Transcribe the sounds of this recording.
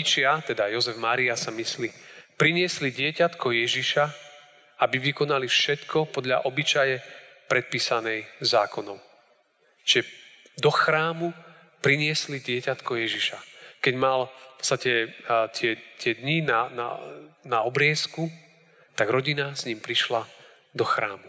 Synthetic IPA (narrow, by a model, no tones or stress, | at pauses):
t͡ʃɪat̪ɛd̪ajɔzɛvmaːɾiasamislipɾiɲɪɛsliɟɪɛcat̪kɔjɛʒiʃa | abiʋikɔnalifʃɛt̪kʰɔpɔd̪lʎa̰ʔɔbit͡ʃajɛ | pɾɛt̪̚piːsanɛjzaːkɔnɔʊ | t͡ʃiʒɛ | d̪ɔxɾaːmu | pɾiɲɪɛsliɟɪɛcat̪kɔjɛʒiʃakɛɟmalfpɔ̥tst̪acɛt̪ɪɛt̪ɪɛd̪ɲinana̰naɔbɾɪɛsku | t̪aɡɾɔɟinazɲimpɾiʃla | d̪ɔxɾa̰ːmu